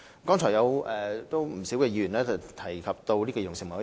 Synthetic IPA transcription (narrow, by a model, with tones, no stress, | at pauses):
kɔː˥ŋt͡ʃʰɔ˨˩jɐ˨˧wʔɛː˨t̪o˥wm̩˨˩siː˨˥wkɛː˧i˧˥˨nlɛː˥t͡sɐ˨˩wt̪ʰɐ˨˩jkʰɐ˨p̚t̪o˧wliː˥kɔː˧jʊ˨˩ŋsɪ˨˩ŋm˨˦